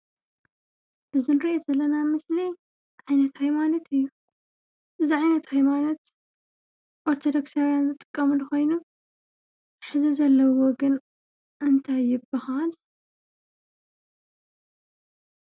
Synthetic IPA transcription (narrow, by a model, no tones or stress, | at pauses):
ʔɨzunɨɾiʔezɐlːɐnamɨsli | ʕajnɐt̪hajmanɐt̪ʰɨjːu | ʔɨziʕajnɐt̪hajmanɐt̪ | ʔoɾt̪ʰod̪oksawjanzɨt̪ʼɨ̥kʼːɐmulxo̞jnu | ħɨzizɐlːɐwoɡɨn | ɨnt̪ʰajːɪbɨhal